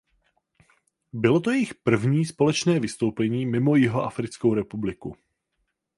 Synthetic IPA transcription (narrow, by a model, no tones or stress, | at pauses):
bɪlo̞t̪̬ojɛjɪxpr̩vɲiːspo̞lɛt͡ʃnɛːvɪst̪o̞wpɛɲiːmɪmo̞jɪɦo̞ʔafɾɪt͡skowɾɛpublɪku